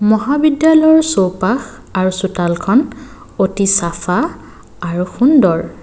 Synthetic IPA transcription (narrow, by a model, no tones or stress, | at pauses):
mɔɦabidjalɔjɔɹsowpax | aɹusutalkʰɔn | otisafʰaː | ɹuxundɔɹ